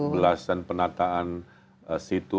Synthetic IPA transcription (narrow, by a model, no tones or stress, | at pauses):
əlasanpənat̪aːn | sit̪u